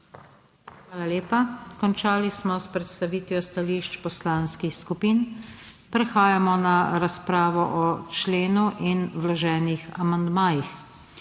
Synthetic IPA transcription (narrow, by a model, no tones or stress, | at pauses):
xʋaːlaleːpakɔnt͡ʃaːlismɔspɾɛt̪st̪aʋiːt̪ʋjɔst̪aliʃt͡ʃpɔslaːnskixskupiːnpɾɛxaːjamɔnaɾaspɾaːʋɔʔɔt͡ʃleːnuʔinʋlɔʒɛːnixa̰mand̪maːjix